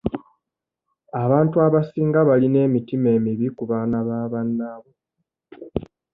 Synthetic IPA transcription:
aβaːntuaβasiːŋɡaβaline̞ːmitime̞ːmiβikuβaːnaβaːβanːaβo

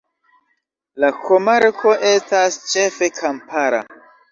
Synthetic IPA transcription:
lakʰomaɾkʰo̞ʔe̞stast͡ʃe̞fe̞kʰampaɾa̰

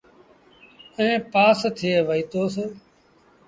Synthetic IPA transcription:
ẽːpaːst̪ʰɪeːʋəiːt̪oːseː

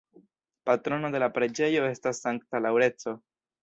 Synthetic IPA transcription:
patɾo̞no̞d̪e̞lapɾe̞d͡ʒe̞jo̞e̞stasːaŋktalawɾe̞t͡so̞

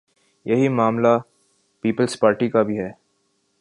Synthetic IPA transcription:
jɐɦimaːmla | piːpəlspaːɾʈikabʱiɦɛː

